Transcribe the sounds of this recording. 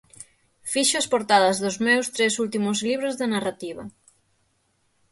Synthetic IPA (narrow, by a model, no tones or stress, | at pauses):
fiʃoɐspoɾt̪aðɐzðʊzmewst̪ɾesult̪imʊzliβɾozðanarat̪iβɐ